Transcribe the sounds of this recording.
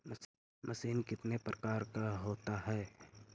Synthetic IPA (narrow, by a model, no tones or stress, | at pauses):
mɐsiːnkɪt̪nepɾəkaːɾkaɦoːt̪aɦɛː